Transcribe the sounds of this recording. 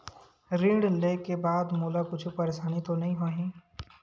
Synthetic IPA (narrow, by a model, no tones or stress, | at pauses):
ɾĩːɖleːkebaːd̪moːlakʊt͡ʃʰupɐɾeːʃaːnit̪onɐɦĩɦoːɦĩː